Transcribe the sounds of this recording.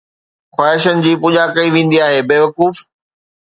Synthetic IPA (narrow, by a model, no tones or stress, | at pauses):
xwaːɦɪʃənɪ̆d͡ʑiːpuːʄakɐiʋẽːn̆d̪iaːɦeːbeːʋɐkuːf